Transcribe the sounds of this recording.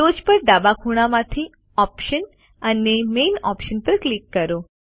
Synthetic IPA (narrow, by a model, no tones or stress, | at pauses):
od͡ʒpəɾɖ̪abakʰuɽ̃amãt̪ʰi | ɔpʃən | ənemenɔ̰pʃənpəɾklikːəɾo